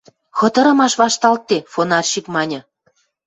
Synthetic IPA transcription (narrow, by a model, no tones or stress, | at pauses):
xɤ̆t̪ɤ̆ɾɤ̆mɑʃβɑʃt̪ɑlt̪ːefonɑrʃikmɑnʲɤ̆